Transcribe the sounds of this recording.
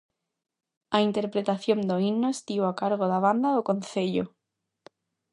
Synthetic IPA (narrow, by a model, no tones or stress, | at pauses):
aint̪eɾpɾet̪aθjond̪oinːoest̪iβakaɾɣ̞oðaβ̞and̪aðokon̟θeʎo